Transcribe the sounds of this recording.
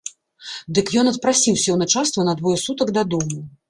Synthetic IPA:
d̪ɨkjɔnɐt̪̚pɾasʲiwsʲɛwnɐt͡ʂast̪vɐnɐd̪vɔjɛsut̪ɐkd̪ad̪ɔmu

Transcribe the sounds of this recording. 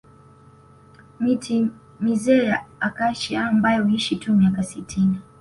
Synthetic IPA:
mitʰi | mizɛːjaakaʃiaːmbajɔhuiʃitumiakasitʰini

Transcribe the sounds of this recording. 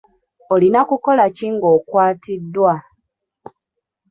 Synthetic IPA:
olinakuko̞laciŋɡo̞kwaːtidːwa

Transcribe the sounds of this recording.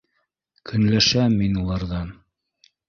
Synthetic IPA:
kʰɵ̆nlæʃæminulˠɑɾðɑn

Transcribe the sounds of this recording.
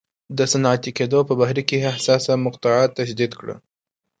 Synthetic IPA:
d̪əsanɑt̪iked̪opəbahɾikeahsɑsamʊqt̪ɑʕɑt̪ːaʃd̪id̪kɽə̰

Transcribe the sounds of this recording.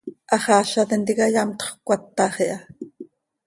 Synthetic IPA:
ʔɑχɑːʃɑt̪ɛnt̪ikɑjɑmt̪χkʷɑt̪ːɑχiʔɑ

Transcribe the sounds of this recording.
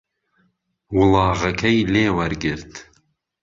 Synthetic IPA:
wɨlˠɑːɣɐkʰɛjleːwɐɾɡɪɾt̪

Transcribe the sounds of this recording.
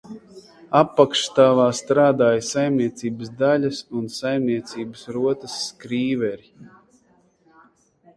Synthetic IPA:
apːakʃt̪aːvaːst̪ɾaːd̪aːjsajmniɛt̪siːbəsd̪alʲasunsajmniɛt̪siːbəsɾuɔt̪əsːkɾiːvɛɾi

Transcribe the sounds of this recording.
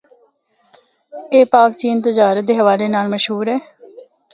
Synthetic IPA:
eːpaːk̚t͡ʃiːnt̪əd͡ʒaːɾət̪̚d̪eːɦəʋaːleːnaːlməʃɦuːɾɦɛː

